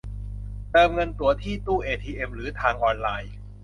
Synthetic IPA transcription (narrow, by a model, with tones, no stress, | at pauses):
t̪ɤː˧mŋɤ˧nt̪u˨˩ɐt̪ʰiː˥˩t̪uː˥˩ʔeː˧t̪ʰiː˧ʔe˧mɾɯː˩˦t̪ʰaː˧ŋʔɔː˧nlaː˧j